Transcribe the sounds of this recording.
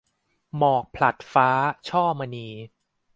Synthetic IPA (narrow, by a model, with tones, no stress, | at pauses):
mɔː˨˩k̚pʰla˨˩t̪̚faː˦˥t͡ɕʰɔː˥˩ma˧niː˧